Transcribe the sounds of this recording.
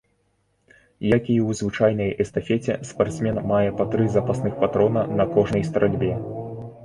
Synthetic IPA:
jakʲiwzvɨt͡ʂajnɐjɛst̪ɐfʲɛt͡sʲɛspart̪smʲɛnmajɛpɐt̪ɾɨzɐpasnɨxpat̪ɾɔnɐnɐkɔʐnɐjst̪ɐɾʔalʲbʲɛ

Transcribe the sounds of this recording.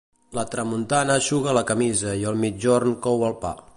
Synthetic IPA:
lət̪ɾəmunt̪anəʃuɣələkəmizəiəlˠmid͡ʒornkɔwəlˠpa̰

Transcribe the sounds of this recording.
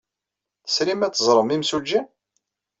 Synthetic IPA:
θə̥sɾimæt͡sːəzˤɾˤəmimsud͡ʒːæn

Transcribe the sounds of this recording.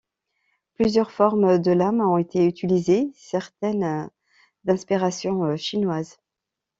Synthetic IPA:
plyzjœʁfɔʁmd̪əlamɔ̃et̪ʰeyt̪ʰilizesɛʁt̪ɛn | d̪ɛ̃spiʁasjɔ̃əʃinwaz

